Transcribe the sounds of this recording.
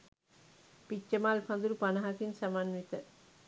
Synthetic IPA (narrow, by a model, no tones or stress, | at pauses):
pit͡ʃːəmalfɐnd̪uɾupanɐɦakinsamanʋit̪ə